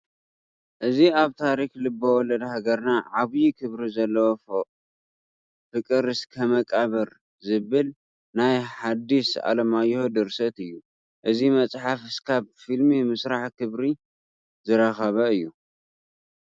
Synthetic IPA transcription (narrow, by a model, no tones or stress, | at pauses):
ʔɨziaβt̪ʰaɾixlɨbːɐwɔlɐd̪haɡɐɾnaʕaβjikʰɨβɾizɐlːɐwof | fɨkʼɨɾɨskʰɐmɐkʼaβɐɾ | zɨβɨl | najħad̪ːisa̰lɐmajːhod̪ɨɾsɐt̪ɨjːu | ʔɨzimɐt͡sʼħafɨskʰaβfilmimɨsɾaħkʰɨβɾi | zɨɾɐxɐβɐɨjːu